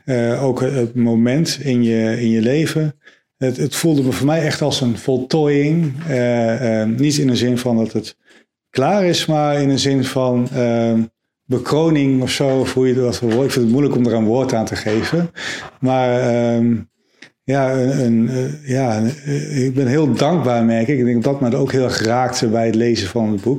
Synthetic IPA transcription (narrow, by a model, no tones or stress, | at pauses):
əowkəətmowmɛntɪnjəɪnjəlejvən | ətətfulˠdəməvʊːɹmɛjɛχtɑlˠsənvɔlˠtɔjɪŋə | nitɪnəzɪnvɑndɑtət | klaːrɪsmaːɹɪnəzɪnvɑnə | bəkrownɪŋɔfsowfujəʋɔtəɪkfɪntət̚mujləkɔmdərənʋʊːɹtaːntəχejvənmaːrəm | jaəənja | ɡ̚bɛnɦɪːlˠdɑŋɡ̚baːɹmɛɹkɪkɪɡdɛŋɡɔdɔtmɛndəowkɦɪːlˠɛχraːk̚təbɛjətlejzənvɑnəd̚buk̚